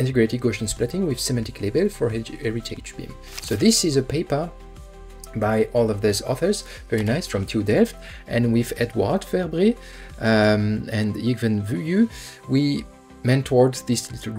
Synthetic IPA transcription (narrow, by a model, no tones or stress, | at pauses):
ɪ̃ntɛɡɹetiɡoʃə̃nsplɛtɪ̃ŋwɪð̥sɛmɛ̃ntɪkʰlebɛlfɔɹɛɹitʰḛd͡ʒbḭ̃m | soðɪsɪzəpʰeɪpə˞ | bajʔɔlˠɔvðəzɔ̰θə˞z | vɛɹinaɪsfɹʌ̃mtʰudɛft | ʔɨ̃nwiðɛdʰwɑ̰ɹdfɛɹbɹi | ɨ̃ndiɡvɨ̃nvujʉ | wi | mɛ̃ntʰwɔɹdzðis